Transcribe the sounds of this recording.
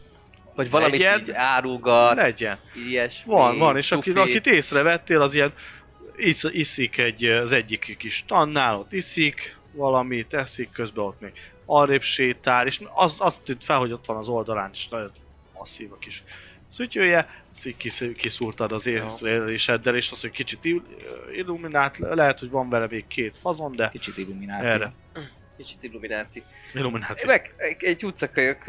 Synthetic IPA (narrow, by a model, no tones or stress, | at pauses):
vɒɟvɒlɒɛmiɛnaːɾuɡɒlɛɟɛnijɛʃvɒnvɒneːʃɒkiɒkit̪eːsrɛvɛt̪ːeːlɒzijɛn | isisikɛɟːɒzɛɟːikːiʃt̪ɒnːaːlo̞t̪ːisik | vɒlɒmit̪ɛsikːø̞zbɛo̞t̪meɡ | ɒreːpʃeːt̪aːɾeːʃɒsɒst̪ːynt̪fɛlho̞ɟo̞t̪ʋɒnɒzo̞ld̪ɒlaːneːʃnɒɟon | mɒsːiːvɒkiʃ | sycøːjɛsikikisuːrt̪ɒd̪ɒzeːsrːliʃɛd̪ːɛleːʃɒshockit͡ʃit̪iilːuminaːt̪lɛɦɛt̪hoɟvɒɱvɛlɛmeːkkʰeːt̪fɒzo̞nd̪ɛkit͡ʃit̪iluminaːɛːrɛ | kit͡ʃi̥t̪ilːuminaːt̪i | ilːuminaːt̪iɛɡɛɟut̪sɒkøjøk